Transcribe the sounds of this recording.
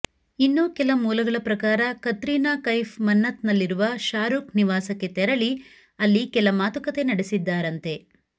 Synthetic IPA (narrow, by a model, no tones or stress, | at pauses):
inːuːkɛlɐmuːlɐɡɐɭɐpɾɐkaːɾɐkɐt̪ɾiːnaːkɐjfʰmɐnːɐt̪nɐlːiɾuʋɐʃaːɾuːkniʋaːsɐkːe̞t̪ɛɾɐɭi | ɐlːikɛlɐmaːt̪ukɐt̪e̞nɐɽesid̪ːaːɾɐnt̪e̞